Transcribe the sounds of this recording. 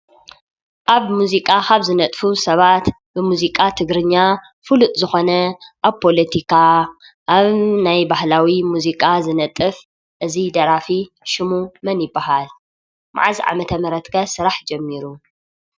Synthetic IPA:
ʔaβmuzikʼaxaβzɨnɐt̪ʼfusɐβat̪ | bɨmuzikʼat̪ʰɨɡɾɨɲːa | fɨlut̪ʼzɨxo̞nɐʔaβpʰo̞lɐt̪ʰikʰa | ʔːβnajbahlawimuzikʼazɨnɐt̪ʼːɨf | ʔɨzid̪ɐɾafi | ʃɪmumɐnjɪbːaɦal | ma̰ʕaziʕa̰mɐt̪ʰɐmɐɾɐt̪kʰɐsɨɾaħd͡ʒɐmːiɾu

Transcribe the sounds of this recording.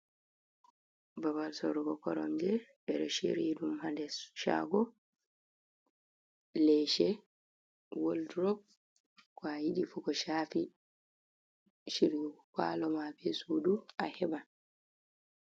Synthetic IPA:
babalsɔɾɡɔkɔɾɔ̰md͡ʒɛ | ɛɾɛʃḛɾidumhandɛsʃa̰ɡɔ | lɛʃɛ | woldɾɔ | kajidifukɔʃaːfi | ʃiɾɡukalɔmabɛsuduahɛban

